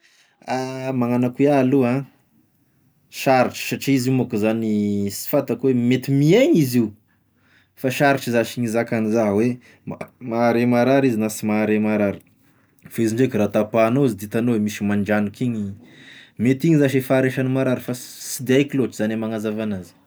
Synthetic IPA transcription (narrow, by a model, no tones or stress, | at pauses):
amaŋanakwealuã | ʃaɾiʈ͡ʂə̥saʈ͡ʂiizimokuzanisi̥fat̪akuwemet̪imieɲiziu | faʃaɾiʈ͡ʂizaʃiɲizakanizaɦwe | mamaɾemaɾaɾizinasimaɾemaɾaɾi̥ | faiziɳɖ͡ʐekirat̪apanoizid̪it̪anowemisimaɳɖ͡ʐanukiɲi | met̪iɲizaʃefaːɾeʃanimaɾaɾifasid̪eajkloʈ͡ʂizanamaŋazavanazi̥